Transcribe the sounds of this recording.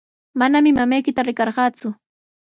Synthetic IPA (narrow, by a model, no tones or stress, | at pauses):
manamɪmamajkɪt̪aɾɪkɑɾɢɑːt͡sʊ